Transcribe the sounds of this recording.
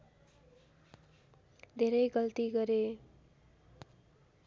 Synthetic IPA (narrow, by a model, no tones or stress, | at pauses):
d̪ʱeɾʌjɡʌlt̪iɡʌɾe